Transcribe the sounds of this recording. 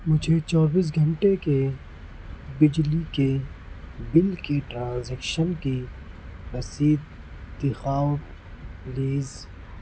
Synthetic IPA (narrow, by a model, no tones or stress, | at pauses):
mʊd͡ʒʱet͡ʃɔːbiːs̬ɡʱɐ̃ɳʈeke | bɪd͡ʒlike | bɪlkeʈɾãːnzɛːkʃənki | mɐsiːd̪ | t̪ɪxaːwt̪ | liːz